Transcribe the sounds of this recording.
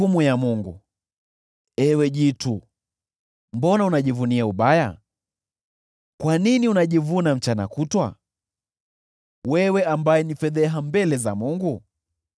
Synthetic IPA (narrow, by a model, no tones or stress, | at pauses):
umujamuŋɡṵ | ɛwɛʄitu | mbɔnaunaʄivuniauɓaja̰ | kwaniniunaʄivunam̩t͡ʃana̰kutwa̰ | wɛwɛambajɛnifɛðɛɦambɛlɛza̰muŋɡu